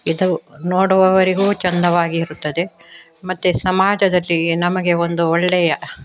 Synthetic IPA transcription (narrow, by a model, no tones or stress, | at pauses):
id̪unoːɽuʋɐʋɐɾiɡuːt͡ʃɐnd̪ɐʋaːɡiːɾut̪ːɐd̪e̞ | mɐt̪ːusɐmaːd͡ʒɐd̪ɐlːinɐmɐɡe̞o̞nd̪uɔɭːɛjɐ